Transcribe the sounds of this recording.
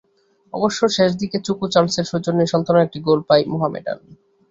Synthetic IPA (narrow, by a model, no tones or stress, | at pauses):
ɔ̰boʃːoʃeʃ̬d̪iket͡ɕukut͡ɕalseɾʃud͡ʑonːiʃɔnt̪anoek̚ʈiɡolpajmoɦamḛʈa̰n